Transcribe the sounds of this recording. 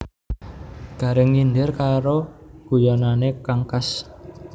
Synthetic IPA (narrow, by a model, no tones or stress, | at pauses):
ɡ̥a̤ɾɪŋːinɖɪrkaɾoɡ̥ujananekaŋkas